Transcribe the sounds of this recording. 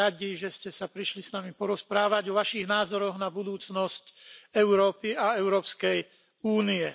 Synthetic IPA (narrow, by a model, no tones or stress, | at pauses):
aɟiʒɛscɛsapɾiʃlisnamipɔɾɔspɾaːʋaɟɔʋaʃiɣnaːzɔɾɔɣnabud̪uːt͡snɔscɛʊɾɔːpiaɛʊɾɔːpskɛj | uːniɛ